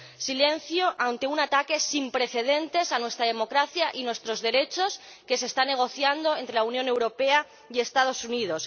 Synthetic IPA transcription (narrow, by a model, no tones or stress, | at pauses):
sile̞n̟θjo̞ʔant̪e̞unat̪ake̞simpɾe̞θe̞ðe̞nt̪e̞sanwe̞st̪ɾað̞emo̞kɾaθjaʔinwe̞st̪ɾo̞zðe̞ɾe̞t͡ʃo̞s | ke̞sest̪anːe̞ɣ̞o̞θjand̪o̞ent̪ɾe̞launjone̞wɾo̞pe̞a | ie̞st̪að̞o̞suniðo̞s